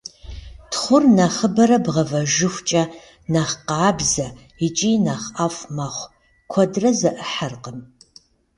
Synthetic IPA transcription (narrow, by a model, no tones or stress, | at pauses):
tʰχʷʊrnaχəbɐɾɐbʁɐvɐʒɨxʷt͡ʃʼɐ | naχqaːbzɐ | ɪt͡ʃʼiːnaːχafʷmaχʷ | kʷʰɔdrɐzɐʔəħarqəm